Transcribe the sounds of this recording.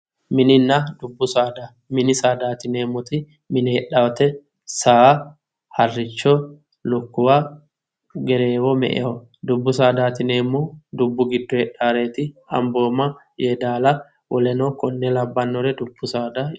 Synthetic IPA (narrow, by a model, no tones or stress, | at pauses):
mɪnɪnːɐd̪ʊbːʊsaːd̪a | mɪnɪsaːd̪aːt̪ɪneːmːɔt̪ɪ | mɪnɪhɛᶑɐwt̪ɛ | saː | hɐrːɪt͡ʃːɔ | lʊkːʊwa | ɡɛɾeːwɔmɛ̰ʔɛ̰wɔ | d̪ʊbːʊsaːd̪aːt̪ɪneːmːɔd̪ʊbːʊɡɪd̪ːɔhɛᶑːaːɾeːt̪ɪɐ̰mbo̞ːmɐ | jed̪aːlɐ | wɔlɛnɔkɔnːɛlɐbːɐnːɔɾɛd̪ʊbːʊsaːd̪a